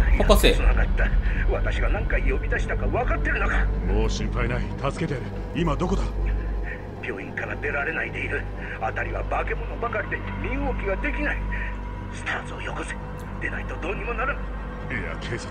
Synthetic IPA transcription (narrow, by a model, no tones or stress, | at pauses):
iasesɨnaɡat̪ːaβat̪aɕiɡanãŋkaijo̞bʲid̪aɕi̥t̪akaβakat̪ːe̞ɾɯnokamo̞ːɕĩmpainait̪asɨ̥ke̞t̪eɾɯ̟ | imad̪o̞ko̞d̪a | pʲo̞ːĩŋkaɾad̪e̞ɾaɾe̞naid̪e̞iɾɯ̟ | at̪aɾʲiβabake̞mo̞nobakaɾʲid̪e̞ | mʲiɯokʲiɡad̪e̞kʲinai | sɨ̥t̪aːt͡sɨojokosi̥ | d̪̥e̞nait̪o̞d̪o̞ːɲʲːimo̞naɾɯ | eja̰kʰeːso